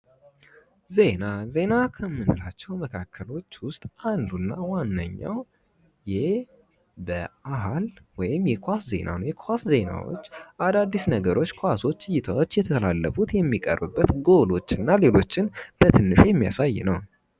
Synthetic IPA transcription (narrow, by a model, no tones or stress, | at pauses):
ze̞naze̞nakʰəmːɨnɨlat͡ʃːɛwməkʰakːəlo̞t͡ʃːwʊst̪ʼand̪unːawanːə̰ɲːa̰w | jɪh | bəʔaɦalwɔjɪmjɛkʰʷasze̞̰nʔa̰nojɛkʰasze̞na̰wo̰t͡ʃːʔad̪ad̪ːisnəɡəɾʔo̞t͡ʃːkʰoaso̞t͡ʃːʼɨjːɪt̪ʰawot͡ʃːjɛt̪ʰəəla̰lːəfut̪jɛmːikʼə̰rbɨbːət̪ɡo̞lo̞t͡ʃːɨnːale̞lo̞t͡ʃːɪnb̥ət̪ʰɨnːɨʃjɛmːija̰saj̰ːnəw